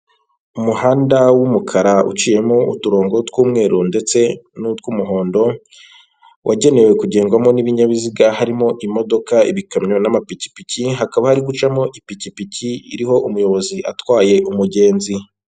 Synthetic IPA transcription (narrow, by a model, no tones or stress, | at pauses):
umuhaːndawumukʰaɾaṵt͡ʃiːje̞moṵtuɾo̞ːŋɡo̞twuːmŋe̞ːɾunde̞t͡se̞nutwumuɦo̞ːndo̞ | wʔaɟe̞ne̞we̞kuɟe̞ːŋɡwamo̞niβiɲaβiziɡahaɾimo̞ʔimo̞do̞kaḭβikamɲonamapici̥piciɦakaβahaɾiɡut͡ʃamo̞ʔipicipiciiɾiho̞ʔumujo̞βo̞ziʔa̰twaːje̞ʔumuɟe̞ːnzi